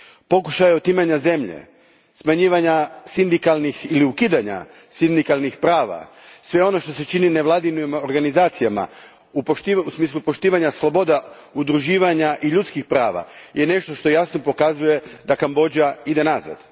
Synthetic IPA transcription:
po̞kuʃajeot̪imaɲaze̞mʎḛ | smaɲiːʋaɲasind̪ikalˠnixiliukiːd̪aɲa̰ | sind̪ikalˠnixpɾaːʋa̰ | sʋe̞o̞no̞ʃt̪o̞se̞t͡ʃinine̞ʋlˠad̪inimo̞ɾɡanizaːt̪sijama̰ | upotiusmiːslˠupo̞ʃt̪iːʋaɲaslˠo̞bo̞d̪aud̪ɾuʒiːʋaɲaʔiʎut̪skixpɾaːʋa̰je̞ne̞ʃt̪o̞ʃt̪o̞jasno̞po̞kazuje̞d̪akambo̞d͡ʑaid̪e̞naza̰d̪̥

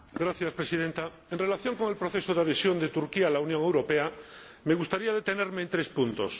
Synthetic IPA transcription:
ɡɾaθjaspɾesiðent̪a | enre̞laθjo̞ŋko̞ŋelpɾoθesoðeaðesjo̞nd̪et̪uɾkialaunjõ̞ŋe̞wɾo̞pea | meɣ̞ust̪aɾiaðe̞t̪eneɾmeːnt̪ɾespunt̪o̰s

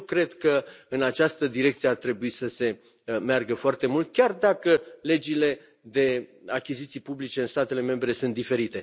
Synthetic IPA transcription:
kɾe̞d̪kəɨnat͡ʃast̪əd̪iɾe̞k̚t̪sijeart̪ɾe̞buisəse̞ | mearɡəfoart̪e̞mult̪̚kʲard̪akəle̞d͡ʒile̞ | d̪e̞akʲizit̪sijpublit͡ʃe̞ɨnst̪at̪e̞le̞me̞mbɾe̞sunt̪d̪ife̞ɾit̪e̞

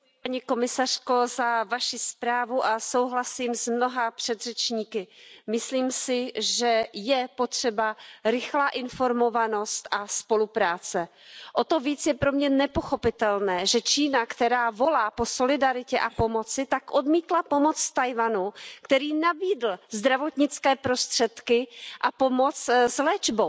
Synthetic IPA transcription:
paɲiko̞mɪsar̥ko̞zavaʃɪspɾaːvuʔaso̞wɦlasiːmzmno̞ɦapr̥ɛd̪r̥ɛt͡ʃɲiːkɪmɪsliːmsɪʒɛjɛpo̞t̪r̝̥ɛbaɾɪxlaːʔɪnfo̞ɾmo̞vano̞st̪ʔaspo̞lupɾaːt͡sɛ | ʔo̞t̪ovit͡sjɛpɾomɲɛnɛpo̞xo̞pɪt̪ɛlnɛːʒɛt͡ʃiːnakt̪ɛɾaːvo̞laːpo̞so̞lɪdaɾɪcɛʔapomo̞t͡sɪt̪akʔo̞dmiːt̪lapo̞mo̞t͡sst̪ajvanukt̪ɛɾiːnabiːdl̩zd̪ɾavo̞t̪ɲɪt͡skɛːpɾo̞st̪r̝̥ɛt̪kɪʔapo̞mo̞t͡szlɛːd͡ʒbow

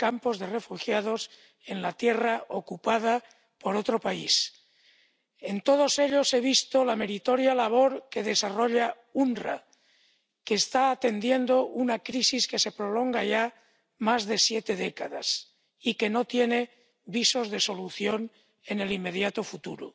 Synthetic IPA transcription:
kampo̞zðe̞re̞fuxjað̞os | e̞nlat̪je̞raʔokupað̞a | po̞ɾot̪ɾopais | e̞nt̪o̞ð̞o̞se̞ʎo̞se̞β̞ist̪olame̞ɾit̪oɾjalaβ̞o̞ɾke̞ðe̞saro̞ʎa | undra̰ | keːst̪aːt̪e̞nd̪je̞nd̪oʔunakɾisiske̞se̞pɾolo̞ŋɡaʝa | mazðe̞sjet̪e̞ðekaðas | ike̞no̞t̪jene̞ | βiso̞zðe̞so̞luθjo̞n | e̞ne̞limːe̞ðjat̪ofut̪uɾṵ

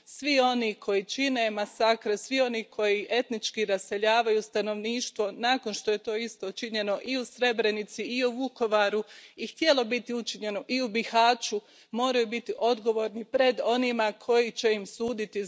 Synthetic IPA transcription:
sʋio̞nikʰo̞jit͡ʃine̞masakɾesʋio̞nikʰo̞jiʔe̞t̪nit͡ʃkiɾase̞ʎaːʋajust̪ano̞ʋniːʃt̪ʋo̞naːko̞nʃt̪o̞je̞t̪o̞ːist̪o̞t͡ʃiɲe̞no̞ʔiusɾe̞bɾe̞nit̪siiuʋuko̞ʋaɾuixt̪je̞lˠo̞bit̪iut͡ʃiɲe̞noʔiubixhaːt͡ʃu | mo̞ːɾajubit̪iʔo̞d̪ɡo̞ʋo̞ːɾnipɾe̞d̪o̞nimakʰo̞jit͡ɕe̞imsuːd̪it̪i

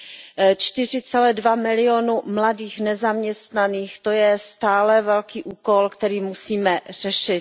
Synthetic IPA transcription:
t͡ʃt̪ɪr̝ɪt͡sɛlɛːdvamɪlɪoːnumladiːxnɛzamɲɛst̪naniːxt̪ojɛst̪aːlɛvɛlkiːʔuːkolkt̪ɛɾiːmusiːmɛr̝̥ɛʃɪt̪̚

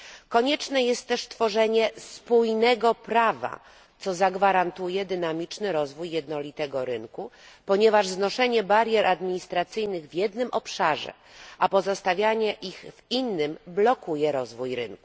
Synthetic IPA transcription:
kɔɲɛt͡ʂnɛjɛst̪ːɛʂst̪fɔʐɛɲɛspujnɛɡɔpɾava̰ | t̪sɔzaɡvaɾant̪ujɛd̪ɘnamʲit͡ʂnɘɾɔzvujːɛd̪nɔlʲit̪ɛɡɔɾɘnku | pɔɲɛvaʐznɔʂɛɲɛbaɾʲjɛɾʔad̪mʲiɲist̪ɾat̪sɘjnɘɣvjɛd̪nɘmʔɔpʂaʐɛ̰ | ʔapɔzɔst̪avʲjaɲɛʔixvinːɘmblɔkujɛɾɔzvujɾɘ̰nku̥

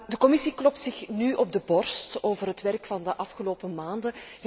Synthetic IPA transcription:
dəkɔmisiklɔp̚tsɪxnyʔɔb̚dəbɔrstoːvərɦətʋɛrkfɑndəʔɑfxəloːpəmaːndə

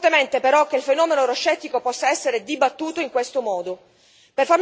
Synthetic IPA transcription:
t̪ement̪epeɾɔk̟eilfenɔːmenoɾoʃːɛt̪ːikopɔsːaɛsːeɾed̪ibat̪ːuːt̪oiŋkwest̪omɔːd̪o | perfarm

